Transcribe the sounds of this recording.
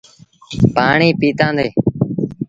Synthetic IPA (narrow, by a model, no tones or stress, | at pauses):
paːɳiːpiːt̪ãːnd̪eː